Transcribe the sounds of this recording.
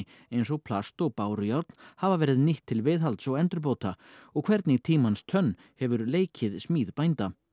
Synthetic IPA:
ejnsɔɣpʰlast̪ɔɣpaːwɾʏjawɾt̪n̥havavɛːɾɪðniht̪ʰːɪlvɪðɦalt̪sɔwɛnt̪ɾʏɾp̬owt̪ʰaɔɣkʰvɛɾt̪nɪit̪ʰiːmanst̪ʰœnː | hɛvʏɾleːjcʰɪðsmiːðpajnt̪a

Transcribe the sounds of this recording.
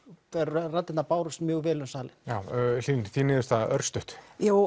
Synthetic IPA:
θaɛɾrat̪ːɪt̪napaːwɾʏst̪mjœːɣvɛːlʏnsaːlɪjaːwliːnθinɪːðʏst̪aœɾst̪ʏht̪jaːw

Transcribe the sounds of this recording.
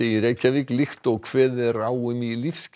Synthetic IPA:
eːjɪɾejcavɪklɪxt̪ɔɣkʰv̥ɛːðɛɾaːwʏmilifsc

